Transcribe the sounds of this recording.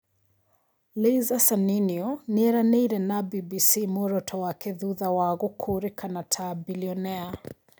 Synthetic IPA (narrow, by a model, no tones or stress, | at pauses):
lezasaniniɔniɛɾanɛiɾɛnabibisimɔɾɔtʰɔwakɛðuðawaɣɔkʰuɾikʰanatʰabiliɔnɛa